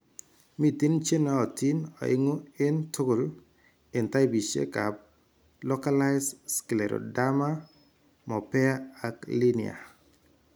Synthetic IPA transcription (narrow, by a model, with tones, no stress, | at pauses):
mi˦ti˦nt͡ʃe˦nɔ˦ɔ˨ti˦nɔ̰˨ɪ̰˦ŋo˦ɪ˦ntu˦ɡo˨l | ɪ˨nta˦jbi˨ʃḛ˦ka˨p̚ | lɔ˦ka˦la˦ɪsski˨le˨ɾo̰˨da˦ma˦ | mɔ˨pɛ˦a˦a˨kli˦nɪa̰˨